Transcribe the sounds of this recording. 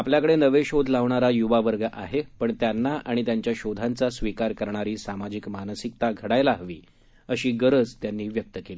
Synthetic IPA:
apljakəɽenəʋeɕod̪ʱlaʋɳaɾajuʋaʋəɾɡəʔaɦepəɳt̪janːaʔaɽ̃it̪jaɲt͡ɕjaɕod̪ʱant͡sasʋikaɾkəɾɳ̃aɾiːsamad͡ʑikmanəsik̚t̪aɡʱəɽajlaɦʋḭː | əɕiːɡəɾəd͡zt̪janːiːʋjək̚t̪əkeli

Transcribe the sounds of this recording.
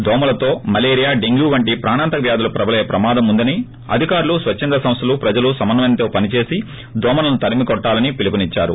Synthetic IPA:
d̪ɔːmɐlɐt̪o̞ːmɐleːɾijaːɖeŋɡjuːʋɐɳʈipɾaːnaːnt̪ɐʋjaːd̪ulɐpɾɐbɐlɛjɐpɾɐmaːd̪ɐmund̪ɐni | ɐ̰d̪ʱikaːɾulusʋɐt͡ʃːɐnd̪ɾɐsɐ̃mst̪ʰɐlupɾɐd͡ʒɐlusɐmɐnːɐmɐjnt̪o̞ːpɐnit͡ʃe̞ːsi | d̪ɔːmɐlɐnut̪ɐɾimikɔʈːaːlɐnipilipɐnit͡ʃːaːɾṵ

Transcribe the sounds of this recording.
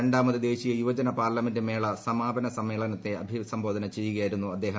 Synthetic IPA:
eɳɖaːmɐðid̪e̞ːɕijɐjuʋɐd͡ʑɐnɐpaːrlɐmendɨme̞ːɭɐsɐmaːbʱɐnɐsɐmːe̞ːɭɐnɐt̪ːe̞ɐbʱisɐmbʱo̞ːd̪ʱɐnɐt͡ɕe̞jːuɣɐjaːjiɾunːuɐd̪ːe̞ːɦɐ

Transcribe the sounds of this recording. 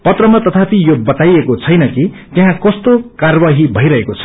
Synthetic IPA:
pʌt̪rʌmat̪ʌt̪ʰat̪ʰijobʌt̪ajekot͡sʰʌjnʌki | t̪jeɦãkʌst̪okarbaɦibʱʌjɾʌɦekot͡sʰʌ̥

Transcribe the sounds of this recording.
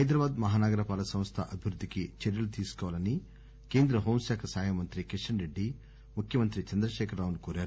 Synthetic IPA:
ɦɐjd̪ɾɐbaːd̪mɐɦaːnaːɡɐɾɐpaːlɐsɐ̃mst̪ʰɐʔɐbʱiʋɾud̪ʱːikit͡ʃeɾjɐlut̪iːsu̥kɔʋaːlɐni | ke̞ːnd̪ɾɐɦoːmsaːkʰɐsaːjɐmɐnt̪ɾikiʂɐɳɾeɖːi | mukʰjɐmɐnt̪ɾit͡ʃɐnd̪ɾɐʃɛːkʰɐɾːaːwunukoːɾaːɾu

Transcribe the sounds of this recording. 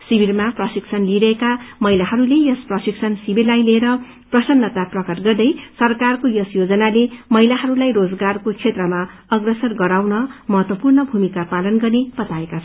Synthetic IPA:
sibiɾmaprʌsiksʰʌnliɾʌekamʌɦilaɦʌɾulejʌsprʌsiksʰʌnsibʱirlajleeɾʌ | prʌsʌnːʌt̪aprʌkʌrɡʌrd̪ʌjsʌrkarkojʌsjod͡zʌnalemʌɦilaɦʌɾulajrod͡zɡarkot͡sʰet̪rʌma | ʌɡrʌsʌrɡʌɾawnʌmʌɦʌt̪wʌpurnʌbʱumikapalʌnɡʌrneb̥ʌt̪aekat͡sʰ

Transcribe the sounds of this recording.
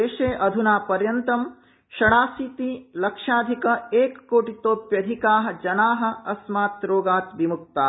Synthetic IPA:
eːʃeːʔɐd̪ʱunaːpɐɾjɐnt̪ɐm | ʃɐɽaːsiːt̪iːlɐkʂaːd̪ʱikɐeːkːoːʈit̪oːpjɐd̪ʱikaːɦɐ̆d͡ʒɐnaːɦɐ̆ɐsmaːt̪ɾoːɡaːt̪ʋimuk̚t̪aː

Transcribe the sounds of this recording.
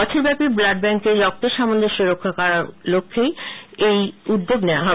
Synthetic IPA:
ɔt͡ɕʰeɾbɛpiblaɖ̚bɛŋkeɾːɔk̚t̪oʃamond̪ʱoʃuɾokʰːakaɾaɾlokʰːejejud̪ːoɡnɛaɦɔ

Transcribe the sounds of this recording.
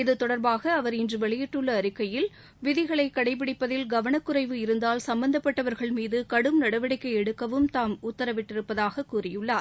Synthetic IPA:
ɪðɯt̪ɔɽɐɾbaːɣɐːʋɐɾɪndrɯʋɛɭɪjɪʈːɯɭːɐːɾɪkːɐjɪl | ʋɪðɪɣɐɭɐɪkːɐɽɐɪp̬ːɪɽɪpːɐðɪlɡɐʋɐɳɐkːʊɾɐɪʋɯɪɾɯnd̪aːlsɐmbɐnd̪ɐpːɐʈːɐʋɐɾɣɐɭmiːðɯkɐɽɯmnɐɽɐʋɐɽɐɪkːɐɪɛɽɯkːɐʋɯmt̪aːmʊt̪ːɐɾɐʋɪʈːɪɾɯpːɐðaːɣɐkːuːrɪjɯɭːaːɾ

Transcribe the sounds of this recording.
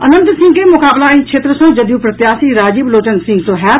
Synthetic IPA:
ɐnə̃nt̪sɪ̃ŋɡkemʊkaːblaĩkʃʰeːt̪ɾəsɐ̃ŋd͡ʒɐd̪juːpɾɐt̪jaːsiɾaːd͡ʒibloːt͡ʃənsɪ̃ŋɡt̪oːɦɛː

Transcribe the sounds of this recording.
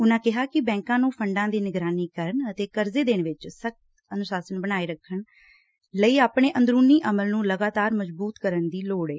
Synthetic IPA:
ʊnãːkɪɦaːkɪbɛ̃ːŋkãːnũːpʰəɳɖãːd̪iːnɪɡɾaːniːkəɾəɳət̪eːkəɾzeːd̪eːɳʋɪt͡ʃsək̚t̪ | ənʊsaːsənbəñaːeːɾəkʰːəɳ | ləiːaːpɳeːʔə̃nd̪ɾuːniːʔəməlnũːləɡaːt̪aːɾməd͡ʒbuːt̪kəɾənd̪iːloːɽeː

